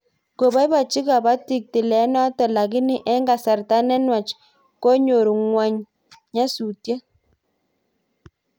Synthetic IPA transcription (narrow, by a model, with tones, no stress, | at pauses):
ko˨ba˦jba˨t͡ʃi˦ka˨ba˦ti˨k̚ti˨lɛ˨˦na˦tɔ˨la˨ɡi˦ni˦ʔɛ˦ŋɡa˨sa˨rta˦nɛ˦nwa˨t͡ʃ | kɔ˦ɲo˨ɾu˨ŋwa˨ɲ | ɲa˦su˨tje˦